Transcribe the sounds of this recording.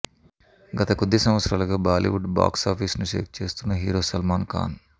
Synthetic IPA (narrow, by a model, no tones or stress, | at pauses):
ɡɐt̪ɐkud̪ːisɐmʋɐt̪sɾaːlɐɡaːbaːlḭʋuɖba̰ːksaːpʰiːsnuʃḛːk̚t͡ʃe̞ːst̪unːɐɦiːɾoːsɐlmaːnka̰ːn